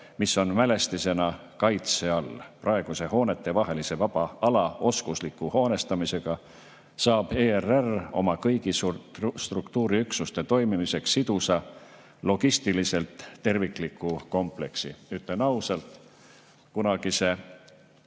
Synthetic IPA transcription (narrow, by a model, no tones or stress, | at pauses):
misːo̞nmæle̞st̪ise̞nɑ | kɑjt̪se̞ɑlprɑe̞ɡ̥use̞ho̞ːne̞t̪ːˑe̞vɑɦe̞lise̞vɑb̥ɑɑlɑo̞skuslikːuho̞ːne̞st̪ɑmise̞ɡ̥ɑ | sɑːb̥eːerero̞̰mɑkɤjɡ̥isust̪rukt̪uːɾiyksust̪e̞t̪o̞jmimise̞ksːid̪̥usɑ | lo̞ɡ̥ist̪ilise̞lt̪ːe̞rviklikːˑuko̞mple̞ksiyt̪lenɑusɑlt̪ | kunɑɡ̥ise̞